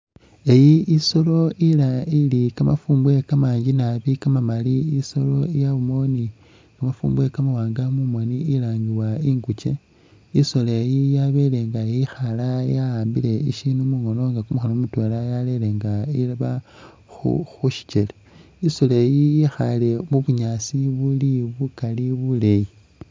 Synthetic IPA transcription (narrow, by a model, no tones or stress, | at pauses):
e̞jiiso̞lo̞ʔilailikamafuːmbwe̞kamaːɲɟinaβikamamaliiso̞lo̞ijaβumo̞ni | kamafuːmbwe̞kamawaːŋɡamumo̞niilaːŋɡiwaiŋɡut͡ʃe̞ | iso̞lejijaβe̞le̞ŋɡajixalajaaːmbile̞iʃinumuŋo̞no̞ŋɡakumuxolomutwelajale̞le̞ŋɡailaβa | xṵxuʃi̥t͡ʃele | isolejijixale̞muβuɲasiβuliβukaliβule̞ji